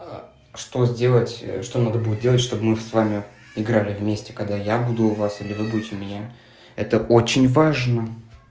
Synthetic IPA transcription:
ʂt̪o̞zʲdʲe̞lˠətʲʂt̪o̞nad̪əbudʲɪt̪̚dʲe̞lˠətʲʂt̪o̞bmɨsvamʲɪ | ɪɡɾalʲɪvmʲesʲtʲɪ̥kɐɡ̚d̪ajabud̪ʊːvasilʲɪvɨbudʲɪtʲɪmʲɪnʲa | ɛt̪əʔo̞t͡ɕɪnʲvaʐnə

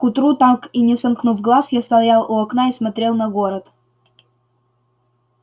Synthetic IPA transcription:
kʊt̪ɾut̪akinʲɪsɐmknuvɡlˠasjast̪ɐlˠjalˠʊɐknaismɐt̪ɾʲelˠnɐɡoɾət̪

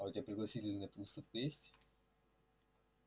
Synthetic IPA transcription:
aʊtʲɪbʲapɾʲɪɡlˠɐsʲitʲɪlʲnəp̪mst̪əfkojesʲtʲ

